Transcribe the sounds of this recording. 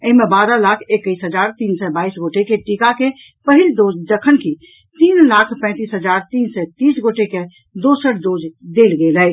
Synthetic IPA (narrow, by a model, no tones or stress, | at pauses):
əɦimẽbaːɾəlaːkʰekːəisɦəd͡ʒaːɾt̪iːnsɛbaisɡoːʈekeʈikake | pəɦɪldoːd͡ʒd͡ʒəkʰənki | t̪iːnlaːkʰpɛ̃ːt̪iːsɦəd͡ʒaːɾt̪iːnsɛt̪iːsɡoʈeke | d̪osəɽd̪oːd͡ʒd̪elɡeːləj